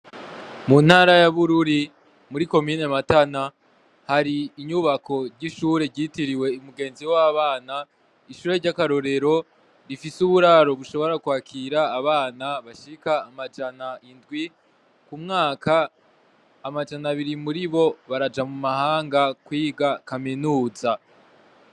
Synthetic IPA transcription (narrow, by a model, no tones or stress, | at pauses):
mun̥haɾajaβuɾuɾi | muɾiko̞miːne̞matana | haɾiːɲuβakʰo̞ɾɟiʃuːɾe̞ɾɟitiɾiwe̞imuɡe̞ːnziwaβaːna | iʃuːɾe̞ɾɟakaɾo̞ɾe̞ɾo̞ | ɾifisuβuɾaɾo̞βuʃo̞βo̞ɾakwaːkʰiɾaːβaːnaβaʃikaːmad͡ʒanaʔindɡwi | kumŋaːkaː | mad͡ʒanaβiɾimuɾiβo̞βaɾad͡ʒamumahaːŋɡakwiːɡakaminuːza